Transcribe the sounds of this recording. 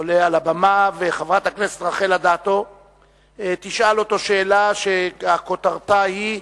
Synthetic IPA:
olealabamaveχavʁat̪hakneset̪ʁaχe̞lad̪at̪o̞ | t̪iʃalo̞t̪o̞ʃeːlaʃeako̞t̪aʁt̪ahi

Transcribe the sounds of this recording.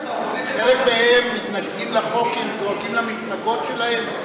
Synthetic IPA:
χelek̚d̪eemːit̪nakkimlaχokemlokimlamitnaɡot̪ʃelaem

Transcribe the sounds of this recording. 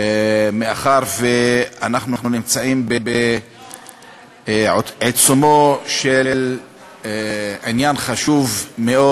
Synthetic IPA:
meaχaʁveanaχnuχunimt͡saimbebe | ʕet͡sumoʃel | ʕinjanχaʃuvmeʔo

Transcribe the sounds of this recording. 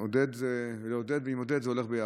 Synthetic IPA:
od̪ed̪zeveleod̪ed̪veimod̪ed̪zeo̞leχbeja

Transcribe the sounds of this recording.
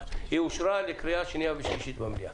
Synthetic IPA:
euʃɾaːlekʰɾɐjaːʃinijaʋiʃiʃit̪bɐmlija̰ː

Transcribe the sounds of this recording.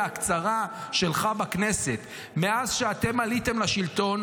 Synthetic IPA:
akt͡saʁaʃe̞lχabakne̞se̞t̪ | me̞azʃeate̞malite̞mlaʃilto̞n

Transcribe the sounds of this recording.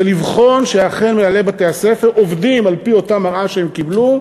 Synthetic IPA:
elivχo̞nʃeaχenmeale̞bateasefe̞ʁovdimalpio̞tamaʁʔaʃeemkiblu

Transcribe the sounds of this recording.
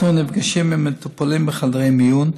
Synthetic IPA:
unibɡaʃimimet̪upalimbəχald̪ʁejmijun

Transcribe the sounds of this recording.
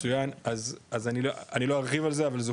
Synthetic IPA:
ujanazazaniloanilo̞haʁχivalzeavalze

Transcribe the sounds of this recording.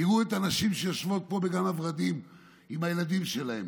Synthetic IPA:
iʁuet̪anaʃimʃejaʃvo̞t̪̚po̞beɡanavʁad̪im | imajelad̪imʃe̞lahe̞̰m

